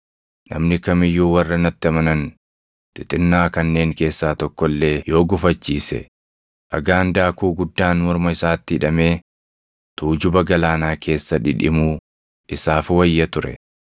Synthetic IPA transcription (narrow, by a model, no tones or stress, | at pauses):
nɐ̰mnɪkɐmɪjːuːwɐrːɐnɐt̪ːɪɐmɐnɐn | t̪ɪt̪ʼɪnːaːkɐnːe̞ːŋke̞ːsːaːt̪ɔkːɔlːe̞ːjo̞ːɡʊfɐt͡ʃːiːsɛ̰ | ʔɐɡaːnd̪aːkuːɡʊd̪ːaːnmɔɾmɐɪsaːt̪ːɪɪᶑɐme̞ː | t̪uːd͡ʒʊbɐɡɐlaːnaːkʰe̞ːsːɐᶑɪ̰ᶑɪ̰muː | ʔɪsaːfwɐjːɐt̪ʊɾɛ̰